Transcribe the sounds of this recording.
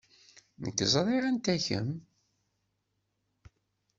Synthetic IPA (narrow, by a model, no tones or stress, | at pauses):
nəkːzˤɾˤiʁænt̪æçə̰m